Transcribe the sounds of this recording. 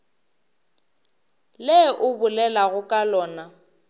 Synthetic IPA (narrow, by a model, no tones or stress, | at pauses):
leʔʊbʊlɛlaɣʊkʼalɔːna